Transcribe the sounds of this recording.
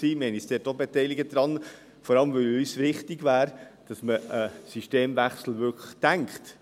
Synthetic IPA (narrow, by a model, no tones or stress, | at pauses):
siːmɛɪnisd̥ɛːtobetɛɪlɪɡəd̥ɾɑn | fɔɾɑləmʋœlysʋɪχtɪɡvæːɾd̥ɑsməəsiʃteːmvæχsl̩vʏkʰləχd̥æŋkt